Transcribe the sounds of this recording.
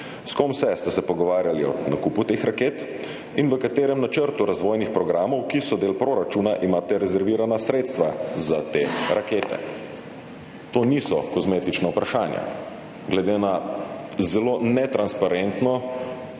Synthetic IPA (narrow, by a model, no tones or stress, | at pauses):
skɔmsɛst̪ɛsɛpɔɡɔʋaːɾjaliɔ̰nakuput̪exɾakeːt̪ | inʋəkat̪eːɾɛmnat͡ʃəɾt̪uɾazʋɔːjnixpɾɔɡɾaːmɔwkisɔd̪eːlpɾoːɾat͡ʃuːnaʔimaːt̪ɛɾɛzɛɾʋiːɾanasɾet̪st̪ʋazat̪eːɾakeːt̪ɛ̰ | t̪oːnisɔkɔzmeːt̪it͡ʃnaupɾaʃaːnja̰ | ɡlɛd̪eːna | zɛlonɛt̪ɾanspaɾɛnt̪nɔ